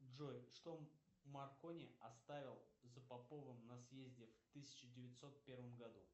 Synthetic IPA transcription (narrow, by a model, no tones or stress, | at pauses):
dʐojʂt̪o | mɐrko̞nʲɪɐst̪avʲɪlˠzəpɐpo̞vɨmnɐsjezʲdʲɪft̪ɨsʲɪ̥t͡ɕɪdʲɪvʲɪt̪ʲso̞t̪̚pʲe̞rvəmɡɐd̪u